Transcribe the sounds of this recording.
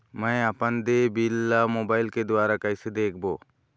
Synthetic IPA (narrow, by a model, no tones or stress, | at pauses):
mãjapand̪ebilːamɔbajlked̪ɔaɾakajsid̪ek̚ʰbɔ